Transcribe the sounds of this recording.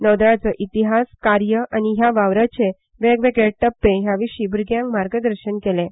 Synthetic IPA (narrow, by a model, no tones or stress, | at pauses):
nəʋd̪ɾat͡səʔit̪iɦaskaɾjəaniɦjaʋaʋɾət͡ɕe | ʋeɡʋekeɽʈəpːeɦjaʋiʂiːbʱuɾɡjãŋkmaɾɡəd̪əɾɕənkele